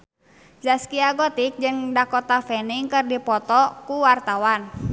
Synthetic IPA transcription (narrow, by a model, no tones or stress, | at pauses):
d͡ʒaskiaɡɔt̪ik̚d͡ʒɨŋdakɔt̪afɛniŋkɨrdipɔt̪ɔkuwart̪awan